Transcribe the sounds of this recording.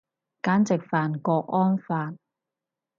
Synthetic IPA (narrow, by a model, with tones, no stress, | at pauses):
kaː˨˥nt͡sɪ˨k̚faː˨nkɔː˧k̚ɔː˥nfaː˧n